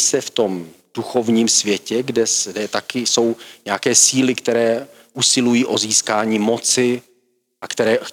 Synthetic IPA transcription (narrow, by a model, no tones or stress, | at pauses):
sɛft̪o̞md̥uxo̞vɲiːmsvjɛcɛɡdɛsdɛt̪akɪso̞wɲɛakɛːsiːlɪkt̪ɛɾɛː | ʔusɪlujiːʔo̞ziːskaːɲiːmo̞t͡sɪ | ʔakt̪ɛɾɛː